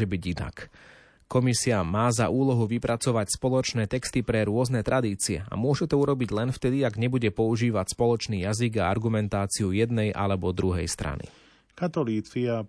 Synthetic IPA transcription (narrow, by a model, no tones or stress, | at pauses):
ɛbiɟina̰k | kːɔmisiamaːzaʔuːlɔɦuʋipɾat͡sɔʋacspɔlɔt͡ʃnɛːt̪ɛkst̪ipɾɛɾʊɔznɛt̪ɾad̪iːt͡siɛ̰a̰mʊɔʒɛt̪ɔuɾɔbiɟlɛnft̪ɛd̪iaɡɲɛbuɟɛpɔuʒiːʋacspɔlɔt͡ʃniːjaziɡaa̰ɾɡumɛnt̪aːt͡siujɛd̪nɛjʔa̰lɛbɔd̪ɾuɦɛ̰jst̪ɾa̰nḭ | kat̪ɔliːt͡sia